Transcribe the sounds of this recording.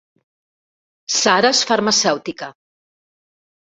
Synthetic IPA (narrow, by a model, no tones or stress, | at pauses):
saɾəsfaɾmasɛwt̪ikə